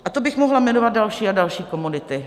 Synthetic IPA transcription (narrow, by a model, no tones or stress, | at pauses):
ʔat̪obɪxmoɦlamɛnovad̪̚dalʃiːadalʃiːko̞munɪt̪ɪ